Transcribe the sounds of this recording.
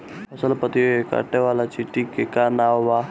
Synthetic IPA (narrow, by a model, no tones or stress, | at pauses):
pɐsəlpət̪ioeka̰ʈːeʋaːlat͡ʃiʈːikːekaːnaːʋaː